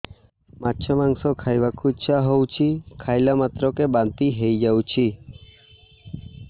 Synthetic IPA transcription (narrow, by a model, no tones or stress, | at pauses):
matːt͡ʃʰəmãŋɡsokʰajʋakʰuiʃʰaɦowt͡ʃʰikʰajlamat̪ɾokebãnt̪iɦejd͡ʒawt͡ʃʰi